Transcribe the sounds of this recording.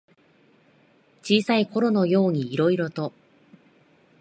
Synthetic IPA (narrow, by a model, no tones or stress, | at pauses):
t͡ɕiːsaiko̞ɾo̞no̞jo̞ːɲ̟iːɾo̞iɾo̞t̪o